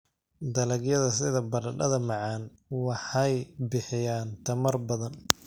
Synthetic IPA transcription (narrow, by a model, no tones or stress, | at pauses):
d̪ɐlɐɡjɐðɐsɪðɐbɐɾɐɖɐðɐmɑʕɑːn | wɑħɑjbɪħɪjaːnt̪ʰɐmɐrbɐðɐn